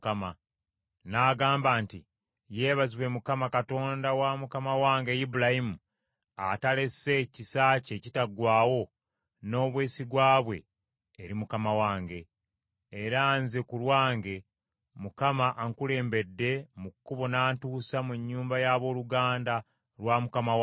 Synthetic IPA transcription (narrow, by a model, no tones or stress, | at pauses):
kama | naːɡaːmbaːnti | je̞ːβaziβwe̞mukamakato̞ːndawamukamawaːŋɡe̞jibulahimu | a̰tale̞se̞cisaːce̞citaɡwaːwo̞ | no̞ːβweːsiɡwaːβwe̞̰ː | ɾimukamawaːŋɡe̞ː | ɾaːnzekulwaːŋɡe̞ | mukamaʔːŋkule̞ːmbe̞dːe̞mukːuβo̞naːntuːsamuɲːuːmbajaːβo̞ːluɡaːnda | lwamukamaw